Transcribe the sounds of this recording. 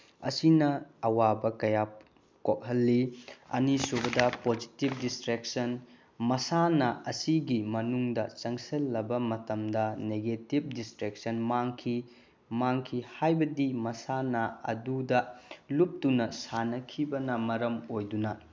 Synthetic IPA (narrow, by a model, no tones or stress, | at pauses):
ɐ̰sinɐɐwabɐkɐja | kok̚hɐlːiɐ̰nisubɐdɐpod͡ʒitib̚distɾek̚sɐn | mɐsanɐɐsiɡimɐnuŋdɐt͡ʃɐŋsɐlːɐbɐmɐtɐmdɐneɡetib̚distɾek̚sɐnmaŋkʰi | maŋkʰihajbɐdimɐsanɐɐ̰dudɐlup̚tunɐsanɐkʰibɐnɐmɐɾɐmojdunɐ